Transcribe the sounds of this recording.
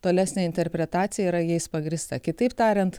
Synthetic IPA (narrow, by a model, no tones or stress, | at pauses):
t̪oːlʲæːsʲnʲeːɪnʲt̪ʲɛɾʲpʲɾʲɛt̪ɑːt̪sʲɪjɛiɾɐjɛɪspɐɡɾʲɪst̪ɐkʲɪt̪ɐɪpt̪ɑːɾʲɛnt̪